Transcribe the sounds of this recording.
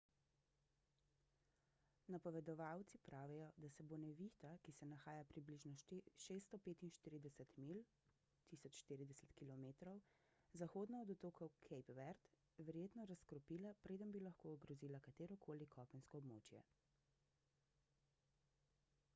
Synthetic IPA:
napɔʋɛd̪ɔʋaːwt̪sipɾaːʋijɔd̪asɛbonɛʋixt̪akisɛnaxaːjapɾibliʒnɔʃeːst̪ɔpeːt̪inʃt̪iːɾid̪ɛsɛt̪mil | t̪isɔt͡ʃʃt̪iːɾid̪ɛsɛ̥t̪kilɔmeːt̪ɾɔw | zaxoːd̪naɔd̪ɔt̪oːkɔwkʰɛjpʋɛɾt̪ | ʋɛɾjeːt̪nɔɾaskɾɔpiːlapɾeːd̪əmbilaxkoːɡɾɔziːlakat̪eːɾɔkʰoːlikʰɔpɛnskɔɔbmo̰ːt͡ʃjɛ̰

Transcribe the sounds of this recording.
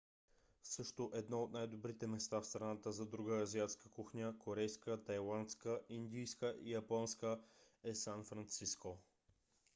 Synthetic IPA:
sɤʃt̪oʔɛd̪nɔot̪najd̪obɾit̪ɛmɛst̪afst̪ɾɐnat̪əzɐd̪ɾuɡəːziat̪skəkuxnʲəkoɾɛjskət̪ɐjlˠant̪skəind̪ijskəʔijɐpɔnskə | ɛsanfɾant̪sisko

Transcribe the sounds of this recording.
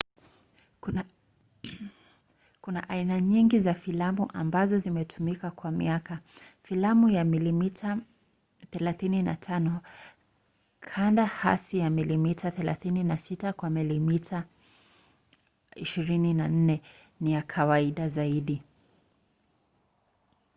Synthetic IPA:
kuna̰ʔainaɲiŋɡizafilamuʔambazɔzimɛtʰumikakwamḭakafilamujamilimita | θɛlaθinina̰tʰanɔ | kʰandaha̰sijamilimitʰaθɛla̰θininasitakwamilimitʰa | iʃiɾininan̩nɛ | nijakʰawaiɗazaiɗi

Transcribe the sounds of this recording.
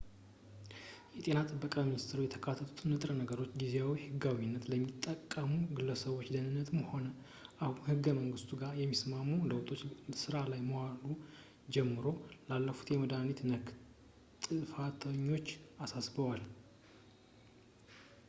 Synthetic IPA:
jɛt̪ʼe̞nat̪ʼɨbːəkʼaminist̪ʰɾujɛt̪ʰəkʰat̪ʰːət̪ʰu̥t̪ʰɨnːɨt̪ʼɾənəɡəɾo̞t͡ʃːɡizeawihɨɡawinːət̪ləmːit̪ʼːəkʼːəmuɡɨləsəβo̞t͡ʃːd̪ənɨnːət̪ʰɨmho̞nə | ʔahunhɨɡːəməŋɡɨst̪ʰuɡaɾjɛmːismamːuləwt̪ʰʼo̞t͡ʃːsɨɾalajməwalu | d͡ʒɛmːɨɾo̞lalːəfu̥t̪jɛməd̪anit̪nə | t̪ʼɨfat̪ʰəɲːo̞t͡ʃːasasbəwal

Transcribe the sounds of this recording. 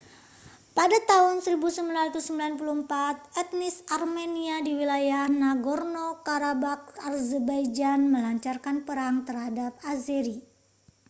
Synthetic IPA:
padat̪aɦʊnsəɾibusəmbilanrat̪usəmbilanpuluəmpat̪̚ɛt̪̚nɪsarmɛniadiwilajahnaɡɔrnokaɾabak̚arzəbajd͡ʒanməlaɲt͡ʃarkanpəɾaŋt̪ərhadap̚azɛɾi

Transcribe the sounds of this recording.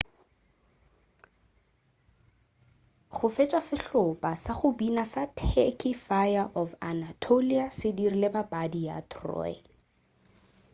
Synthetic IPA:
χʊfet͡ʃʼwasɪɬʊpʼasaχʊbinasatʰekʼɪfajaʔɔfa̰natʰoliasɪdirilebabadija̰tʰrɔ̰ːɪ̰

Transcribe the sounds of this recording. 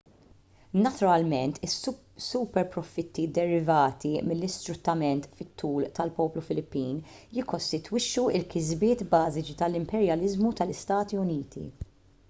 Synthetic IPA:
nɐt̪ʊɾɐlmɛnt̪ɪs | sːʊpɛɾpɾɔfɪt̪ːid̪ɛɾɪvɐːt̪imɪlːɪst̪ɾʊt̪ːɐmɛnt̪fɪt̪ʰːuːlt̪ɐlpɔːplufɪlɪpːiːnjɪkːɔst̪ɪt̪wɪʃːuɪlkɪzbɪːt̪bɐːzɪt͡ʃit̪ɐlɪmpɛɾjɐlɪzmut̪ɐlɪst̪ɐːt̪iʊniːt̪ḭ

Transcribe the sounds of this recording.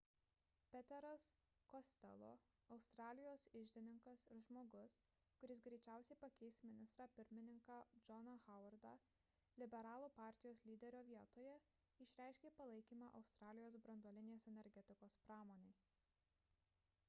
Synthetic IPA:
pʲɛt̪ʲɛɾɐs | kosʲt̪ʲɛ̰lˠo̰ː | ɐʊst̪ɾɑːlʲɪjoːsɪʒʲd̪ʲɪnʲɪŋkɐsɪɾʒmoːɡʊs | kʊɾʲɪsɡɾʲɛɪt͡ʃʲæˑʊsʲɛɪpɐkʲɛɪsʲmʲɪnʲɪst̪ɾɑːpʲɪɾʲmʲɪnʲɪŋkɑːd͡ʒɔnɐxɐʊɐɾd̪ɑ | lʲɪbʲɛɾɑːlˠuːpɑˑɾʲt̪ʲɪjoːslʲiːd̪ʲɛɾʲoːʋʲiɛt̪oːjɛ | ɪʃʲɾʲæˑɪʃʲkʲeːpɐlˠɐɪkʲiːmɑʔɐ̰ʊst̪ɾɑːlʲɪjoːsbɾɐnd̪oːlʲɪnʲeːsɛnʲɛɾʲɡʲɛt̪ʲɪkoːspɾɑːmoːnʲɛɪ

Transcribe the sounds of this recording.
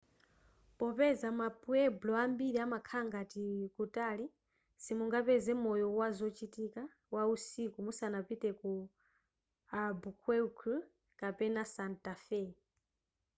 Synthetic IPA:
pɔpɛzamapʼuɛblɔambiɾiamakʰaŋɡatikutʼali | simuŋɡapɛzɛmɔjɔwazɔt͡ʃitʼika | wausikumusanapitʼɛku | abukʰwɛkʰu | kʼapɛnasantʼafɛ

